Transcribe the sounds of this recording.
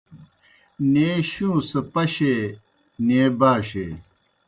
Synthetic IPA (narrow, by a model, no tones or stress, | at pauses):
neːɕũːsɐpɐɕe | neːbaːɕḛː